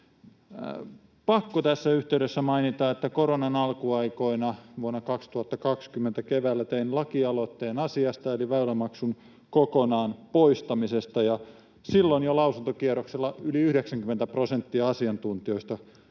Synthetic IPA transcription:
pɑkːot̪æsːæyht̪eyɾesːæmɑinit̪ɑːet̪ːækoronɑnɑlkuɑikoinɑʋuonːɑkɑkst̪uhɑt̪ːɑkɑkskymːent̪ækeʋæːlːæt̪einlɑkiɑlot̪ːeːnɑsiɑst̪ɑeliʋæylæmɑksun | kokonɑːnpoist̪ɑmisest̪ɑjɑ | silːonjolɑusunt̪okierokselːɑyliyhdeksæŋkymːent̪æprosent̪ːiɑɑsiɑnt̪unt̪ioist̪ɑ

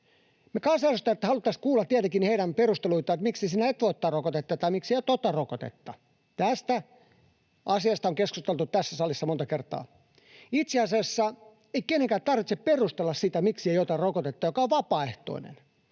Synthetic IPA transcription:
mekɑnsɑɑsost̪ːɑet̪ːæhɑlut̪ˑːɑskuːlːˑɑt̪t̪ːiæt̪ekiniheiɾæmperust̪eluit̪ˑɑet̪miksisiːnæet̪ʋot̪ːɑrokot̪et̪ːɑt̪ɑimiksieijot̪ːot̪ːɑrokot̪ḛt̪ːɑ | t̪æst̪æ | ʔɑsiɑst̪ɑoŋkeskust̪elt̪utt̪æsːæsɑlisːɑmont̪ɑkert̪ˑɑ̰ː | it̪seɑsiɑsːɑ | eikenːeŋkæːt̪ɑrʋit̪sepperust̪elːɑssit̪æmiksiejot̪ɑrrokot̪et̪ːɑjokɑoʋʋɑpɑːeht̪o̰inḛn

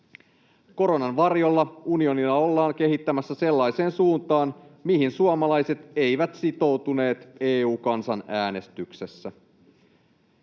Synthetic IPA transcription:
ko̞ɾo̞nɑnʋɑrjo̞lːɑunio̞nilːɑo̞lːɑːŋke̞ɦit̪ːæmæsːæse̞lːɑjse̞ːnsuːnt̪ɑːnmiɦinsuomɑlɑjse̞t̪e̞jʋæt̪sit̪o̞wt̪une̞ːt̪e̞ːuːkɑnsɑnæːne̞st̪ykse̞sːæ

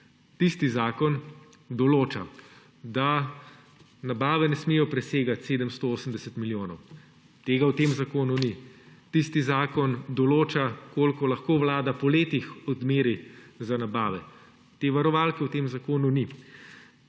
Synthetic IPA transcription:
t̪ist̪izaːkɔn | d̪ɔloːt͡ʃa̰ | d̪a | nabaːʋɛnɛsmiːjɔpɾɛseːɡat̪seːd̪əmst̪ooːsəmd̪ɛsət̪miljoːnɔw | t̪eːɡawt̪eːmzakoːnunit̪ist̪izaːkɔnd̪ɔloːt͡ʃakoːlkɔlaxkoːʋlaːd̪apɔleːt̪ixɔd̪meːɾizanabaːʋɛ | t̪eːʋaɾɔʋalkɛwt̪eːmzakoːnuni

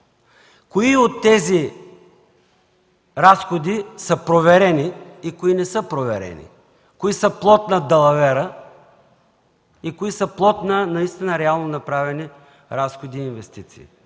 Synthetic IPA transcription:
koiot̪ːɛzi | ɾasxod̪isəpɾovɛɾɛniːkoinɛsəpɾovɛ̰ɾɛ̰nḭ | koisəplˠɔt̪nɐd̪ɐlˠɐvɛɾə | ikoisəplˠɔt̪nɐnɐist̪inəɾɛalˠnonɐpɾavɛni | ɾasxod̪iːnvɛst̪it̪si̥ː

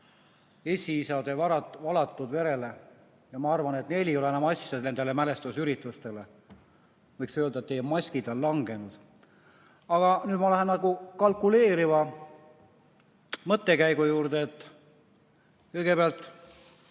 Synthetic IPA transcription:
e̞sʲiisɑd̪evɑɾɑvɑlɑt̪ːud̪ve̞ɾe̞le̞ | jɑmɑɑrvɑnet̪ne̞lʲijo̞leenɑmɑsːjɑd̪ne̞nd̪̥e̞le̞mæle̞st̪usyɾit̪ːˑust̪e̞le̞ | vɤjksøːld̪ɑet̪ːejmɑsʲkid̪̥ɑllɑŋɡ̥e̞nud̪̥ | ɑɡ̥ɑnyːd̪mɑlæɦennɑɡukɑlkule̞ːɾivɑ | mɤt̪ːe̞kæjɡ̥ujuːrd̪eːt̪ˑː | kɤjɡ̥epeɑlt̪ˑ

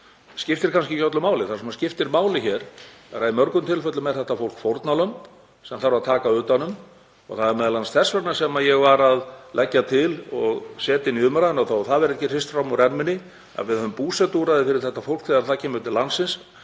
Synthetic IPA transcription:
scɪft̪ɪɾkʰanscɪcœt̪lʏmaːwlɪθaɾ̥sɛmascɪft̪ɪɾmaːwlɪçɛɾ̥ɛɾaðimœɾkʏmt̪ʰɪlfœt̪lʏmɛðθɛht̪ːafowl̥kfowɾt̪nalœm | sɛmθaɾvaðt̪ʰaːkaʏːt̪anʏm | ɔ̰ɣθaðɛɾmɛðɪlansθɛsvɛɾt̪nḁsɛmajɛɣvaɾaðlʔɛcːat̪ʰɪlɔɣsɛːt̪ɪniʏmaɾaɪnawθawθaðvɛɾɛhcːɪrɪst̪fɾawmɔɾɛnmɪnːɪ | a̰vɪðœðʏmpuːsɛt̪uɾaðɪfɪɾɪɾ̥θɛht̪afowl̥kθɛðaɾθaðcʰɛːmʏt̪ɪlansɪns

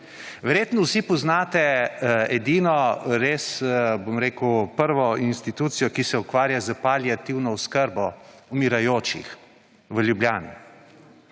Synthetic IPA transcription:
ʋɛɾjeːt̪nɔwsipɔznaːt̪ɛɛd̪iːnɔɾeːsbomɾeːkəwpəɾʋɔinst̪it̪uːt̪sijɔkisɛukʋaːɾjazəpaljat̪iwnɔwskəɾbɔumiɾajoːt͡ʃḭx | ʋəljubljaːnḭ

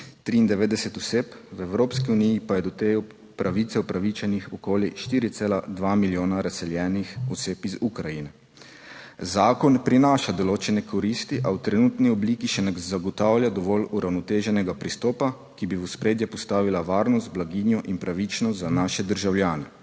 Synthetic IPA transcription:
t̪ɾiːnd̪ɛʋeːd̪ɛsɛt̪ɔseːpwɛwɾoːpskiunijipajɛd̪ɔt̪e | pɾʔaʋiːt̪sɛupɾaʋit͡ʃɛnixɔkoːljiʃt̪iːɾit̪seːlad̪ʋaːmiljoːnaɾasɛljɛːnixɔseːpizukɾajinɛ | zaːkɔnpɾinaːʃad̪ɔloːt͡ʃɛnɛkʰɔɾiːst̪iʔawt̪ɾɛnuːt̪niɔbliːkiʃɛnɛzaɡɔt̪awljad̪ɔʋɔluɾʔawnɔt̪eːʒɛnɛɡapɾist̪ɔːpa | kibiuspɾeːd̪jɛpɔst̪aːʋilaʋaːɾnɔst̪̚blaɡiːnjɔʔinpɾaʋit͡ʃnɔst̪zanaːʃɛd̪əɾʒawljaːnɛ

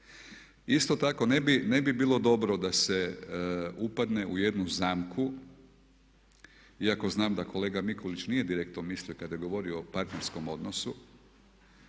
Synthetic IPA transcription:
ist̪o̞t̪ako̞nebine̞bibiːlˠo̞d̪o̞bɾo̞d̪ase̞ | upad̪ne̞ʔuje̞d̪nuzaːmkʰu | iako̞znaːmd̪ako̞le̞ːɡamikolit͡ʃnije̞d̪iɾekt̪nomisliokad̪je̞ɡo̞ʋo̞ɾioːpaɾt̪neɾsko̞mo̞d̪nosu

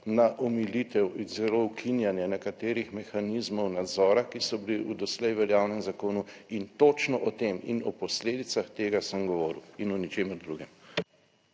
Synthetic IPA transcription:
naʔɔmilit̪ɛwzɛlowkʰinjanjɛnɛkat̪eːɾixmɛxaniːzmɔwnad̪zɔːɾakisɔbiliud̪ɔslɛjʋɛɾjaːwnɛmzakoːnuint̪ot͡ʃnɔʔɔt̪emḭnɔpɔsleːd̪it̪saxt̪eːɡasəmɡɔʋɔːɾiwinɔnit͡ʃeːməɾd̪ɾuɡɛm

